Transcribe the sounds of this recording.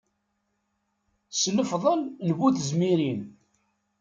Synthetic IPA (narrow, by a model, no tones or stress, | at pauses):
sləfðˤəlnəvuθəzmiɾin